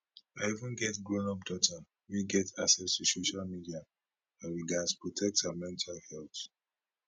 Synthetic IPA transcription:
aɪivə̃nɡɛtɡɹõnɔp̚dɔtʰa | wiɡɛtʰaksɛstusoʃalmidia | ãwiɡaspɹɔtʰɛk̚tamɛ̃ntʰalhɛlθ

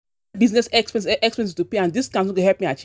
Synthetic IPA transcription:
biznɛsɛkspɛ̃sʔɛkspɛɛ̃sistupeãndiskãnsũkeɦɛlpmiat͡ʃ

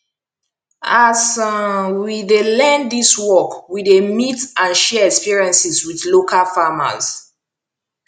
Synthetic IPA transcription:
as | widelɛ̃ndiswɔkwidemitãnʃɛɛkspiɹiɛ̃nsiswiθlokalfama̰s

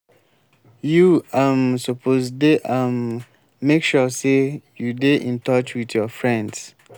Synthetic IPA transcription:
juamsɔpʰozdeʔamː | ekʃɔsejudeʔĩntʰɔt͡ʃwiðjɔfɹɛ̃nds

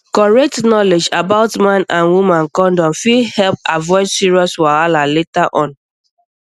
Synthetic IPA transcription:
kɔɹɛk̚tnɔled͡ʒabaʊtmãnãnwumãnkɔ̃ndɔ̃mfihɛlp̚avɔɪd͡ʒsiɹiɔswaalaletaʔɔ̃n

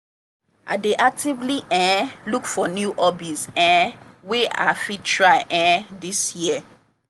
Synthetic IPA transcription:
ʔa̰deʔak̚tivliʔɛ̃lukfɔnjuʔɔbisɛ̃wea̰fitʰɹaɪʔɛ̃disjiə

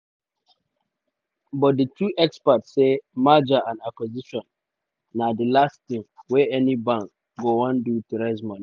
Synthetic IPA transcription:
bɔt̚ditʰuʔɛkspatssːemad͡ʒaʔãnakwɔziʃɔ̃nː | adilastɪ̃ŋwɛɛnibãŋk | ɡoãndutɛɾɛzmãn

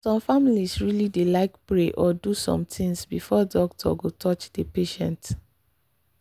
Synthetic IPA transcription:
sɔ̃mfamilisɹilidelaɪkpɹeʔɔdusɔ̰̃mtʰĩŋsbifɔdɔktʰɔ̰ɡotʰɔt͡ʃd̥əpeʃɛ̃nt

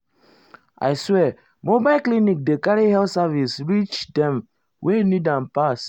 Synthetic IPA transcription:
a̰ɪswɛ | mobaɪlklinik̚dekaɹihɛlsavisɹit͡ʃdɛ̃m | wʔenidãnpas

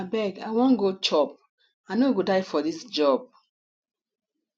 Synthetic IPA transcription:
bɛɡaɪwɔ̃nɡot͡ʃɔp̚ | aɪnoɡodaɪfɔdisd͡ʒɔb̥̚

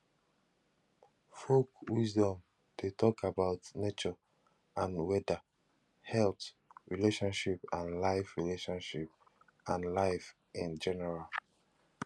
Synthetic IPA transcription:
fokwisdɔ̃m | d̥etʰɔkabaʊtnet͡ʃɔ | ãnwɛda | hɛlt | ɹileʃɔ̃nʃipãnlaɪfɹileʃɔ̃nʃip̚ | ãnlaɪf | ĩnd͡ʒɛnɛɹal

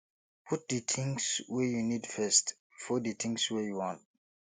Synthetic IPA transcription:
pʰut̚dətʰɪ̃ŋswɛjunidfɛst | fɔditʰɪ̃ŋswɛjuwɔ̃nt̚

